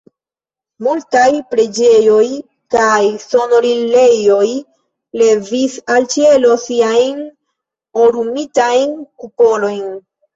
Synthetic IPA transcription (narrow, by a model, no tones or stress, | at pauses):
multajpɾe̞d͡ʒe̞jo̞j | kajso̞no̞ɾile̞jo̞j | le̞visalt͡ʃielo̞siajn | oɾumitajnkupo̞lo̞jn